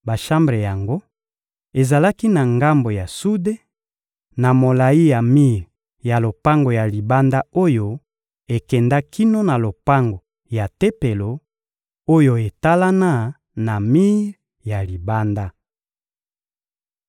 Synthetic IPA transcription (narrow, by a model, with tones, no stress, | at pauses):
ba˨ʃa˦mbʁe˨ja˨ŋɡo˦ | e˨za˨la˦ki˦na˨ŋɡa˦mbo˨ja˨su˦de˦ | na˨mo˨la˨i˦ja˨mi˦˨ʁ | ja˨lo˨pa˦ŋɡo˨ja˨li˨ba˦nda˦o˦jo˦ | e˨kɛ˨nda˦kʰi˦no˦na˨lo˨pa˦ŋɡo˨ | ja˨te˦pe˨lo˨ | o˦jo˦˨e˨ta˦la˦na˦ | na˨mi˦ʁ | ja˨li˨ba˦nda˦